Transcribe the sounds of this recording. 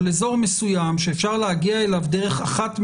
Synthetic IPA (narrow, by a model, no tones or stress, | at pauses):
lezo̞ʁmesujamʃe̞ːfʃaʁleɦaɡiaelavd̪eʁeχaχatm